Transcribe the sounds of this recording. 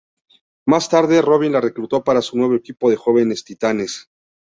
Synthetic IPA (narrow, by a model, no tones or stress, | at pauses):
mast̪aɾðe̞ro̞β̞inlare̞kɾut̪o̞paɾasunwe̞β̞o̞ekipo̞ðe̞xo̞βe̞ne̞st̪it̪ane̞s